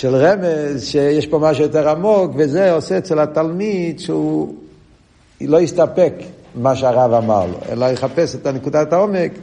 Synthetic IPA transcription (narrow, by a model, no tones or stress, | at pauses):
ʃelʁɛmezʃejɛʃpomaʃujotɛʁamokvezeoseɛt͡sɛlatalmidʃɛu | loistapɛkmaʃ̬eaʁavama̰ʁlo̰ɛ̰lajəχapɛsɛtanekudataomek